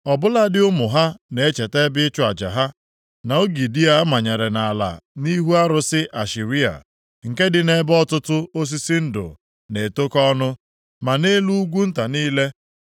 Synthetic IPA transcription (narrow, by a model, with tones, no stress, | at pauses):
ɔ˨bʊ˦la˦dɪ˦ʊ˦mʊ˨ɦa˦ne˨e˦t͡ʃe˨te˦bɪ˦t͡ʃʊ˦a˨d͡ʒa̰˨ɦa˦ | na˨o˦ɡi˨di˦a˨˦ma˨ɲe˨ɾe˨na˨la̰˨ni˦ɦu˦a˦ɾʊ˨sɪ˦ʔa˨ʃi˨ɾi˦a̰˨ | ŋ̩˨ke˦dɪ˨ne˦bɔ˦tʊ˦tʊ˦o˦s̬i˦si˦n̩˦dʊ̰˨ | ne˨to˦kɔ˦nʊ˦ | ma˨ne˦lu˦ɡʷu˦n̩˦ta˨niː˦le˦